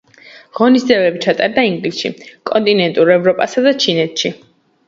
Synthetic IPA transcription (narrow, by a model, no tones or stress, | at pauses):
ʁɔnisd̪zɛvɛbit͡ʃʰat̪ʼaɾd̪aiŋɡlisʃḭkʼɔnt̪ʼinɛnt̪ʼuɾɛvɾɔpʼasad̪at͡ʃʰinɛt̪ʰʃi